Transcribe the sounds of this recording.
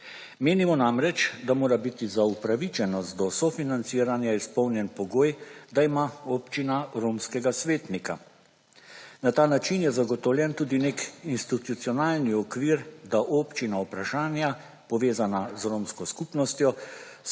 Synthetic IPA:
meːnimɔnamɾɛt͡ʃd̪amoːɾabit̪izaupɾaʋit͡ʃɛnɔst̪̚d̪ɔsɔfinant̪siːɾanjaispɔwnjɛnpɔɡoːjd̪aimaoːpt͡ʃinaɾoːmskɛɡasʋeːt̪nika | nat̪aːnat͡ʃinjɛzaɡɔt̪ɔwlʲjɛnt̪uːd̪inekinst̪it̪ut̪siɔnaːlniɔkʋiɾd̪aʔoːpt͡ʃinaupɾaʃaːnja | pɔʋeːzanazɾoːmskɔskupnɔst̪jɔ

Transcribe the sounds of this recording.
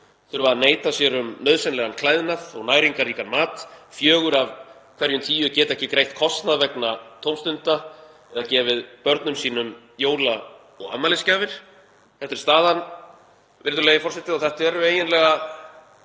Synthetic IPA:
θʏɾvaaneːjt̪asjɛɾʏmːœðsɛnlɛɣankʰlajðnaθɔɣnaːjɾiŋkariːkanmaːt̪fjœːɣʏɾavkʰv̥ɛɾjʏnt̪ʰiːjʏcɛːt̪ɛhcɪkɾejht̪̚kʰɔst̪naðvɛknat̪ʰowmst̪ʏnt̪a | ɛðacɛːvɪðpœɾt̪nʏmsiːnʏm | joːwla | ɔɣa̰mːalɪscaːvɪɾ̥ | θɛft̪ɪɾ̥st̪aːðan | vɪɾðʏɾlejɪfɔr̥sɛht̪ɪðɔθɛht̪vɛɾʏeːjɪnlɛɣa

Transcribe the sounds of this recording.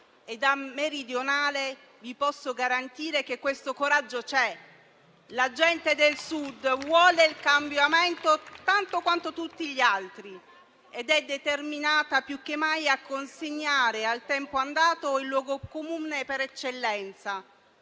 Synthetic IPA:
ed̪ameɾid̪jonaːle | vipɔsːoɡaɾant̪iːɾek̟ekːwest̪okoɾad͡ʒːot͡ʃɛ | lad͡ʒɛnt̪ed̪elsud̪vwɔːleilkambjamɛnt̪ot̪ant̪okwant̪ot̪ut̪ːiʎialt̪ɾi | ed̪ɛd̪ːet̪erminaːt̪apjukːemːajakːonseɲːaːɾealt̪ɛmpoand̪aːt̪oilːwɔːɡokomuːnepeɾɛt͡ʃːelːɛnt̪sa

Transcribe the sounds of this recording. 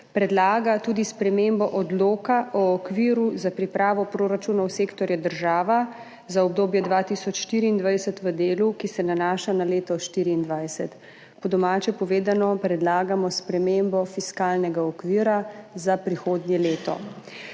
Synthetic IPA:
pɾɛd̪laːɡat̪uːd̪ispɾɛmembɔʔɔd̪loːkaʔɔːkʋiːɾuzapɾipɾaːʋɔpɾoːɾat͡ʃuːnɔwseːkt̪ɔɾjad̪əɾʒaːʋa | zaɔb̚d̪oːbjɛd̪ʋaːt̪isɔt͡ʃʃt̪iːɾiːnd̪ʋajsɛt̪ʋəd̪eːlukisɛnanaːʃanaleːt̪ɔʃt̪iːɾiːnd̪ʋajsɛt̪ | pɔd̪ɔmaːt͡ʃɛpɔʋeːd̪anɔpɾɛd̪laːɡamɔspɾɛmembɔfiskaːlnɛɡaɔkʋiːɾazapɾixoːd̪njɛleːt̪ɔ̰

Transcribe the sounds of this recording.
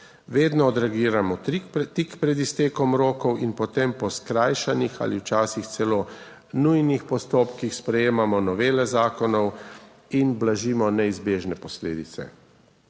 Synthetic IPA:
ʋeːd̪nɔːd̪ɾɛɡiːɾamɔt̪ikpɾɛd̪ist̪eːkɔmɾoːkɔwinpɔt̪empɔskɾaːjʃanixa̰ːliwt͡ʃaːsixt̪sɛloː | nujnixpɔst̪oːpkixspɾɛjeːmamɔnɔʋeːlɛzaːkɔnɔw | inblaʒiːmɔnɛizbeːʒnɛpɔslḛːd̪it̪sɛ̰

